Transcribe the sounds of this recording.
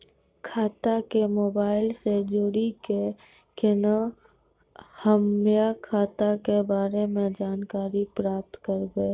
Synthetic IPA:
kʰaːt̪akemoːbaːɪlsed͡ʒoɽike | kenə | həmjakʰaːt̪akebaːɾemẽd͡ʒaːnkaːɾipɾaːp̚t̪kəɾɡəe

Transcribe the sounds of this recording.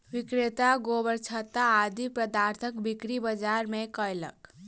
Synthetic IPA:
ʋɪkɾet̪aɡoːbəɾt͡ʃʰət̪aːd̪ipɾəd̪aːɾt̪ʰəkbikɾibəd͡ʒaɾmẽkəjlə̰k

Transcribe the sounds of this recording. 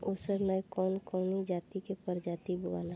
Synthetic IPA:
oːsəɾləjkɔːnkɔːnid͡ʒaːt̪ikepəɾd͡ʒaːt̪ibʊɡa̰ːla

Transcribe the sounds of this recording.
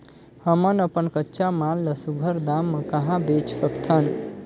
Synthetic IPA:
həmənəpənkətːʃamaːlləsuɡʱəɾd̪amːə̃kɐɦãbet͡ʃsəkt̪ʰən

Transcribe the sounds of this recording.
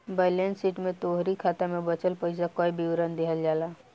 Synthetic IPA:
bəlensiːʈmẽt̪oːɦɾikʰaːt̪amẽbɐt͡ʃəlpəɪsakoːibʱiɾə̃nd̪eːɦəld͡ʒaːlaː

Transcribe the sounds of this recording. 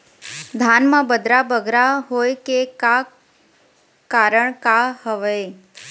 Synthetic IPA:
d̪ʱanmãbəd̪ɾabəɡɾaɦojkeka | kaɾəɳkahəʋəe

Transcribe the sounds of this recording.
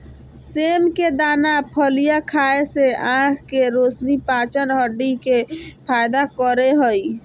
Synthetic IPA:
semked̪anapʰəlijakʰaeseãkʰkeɾosnipat͡ʃənɦəɖikepʰajd̪akəɾeɦəj

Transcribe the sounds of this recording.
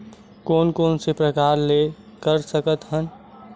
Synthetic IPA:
koːnkoːnsepɾəkaːɾlekəɾsəkət̪ɦən

